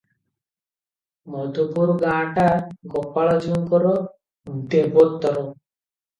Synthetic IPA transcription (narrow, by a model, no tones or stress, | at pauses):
mɔd̪ʱupuɾɡãʈaɾɡɔpːaɭɔd͡ʒuŋkɔɾɔ | d̪ebɔt̪ːɔɾɔ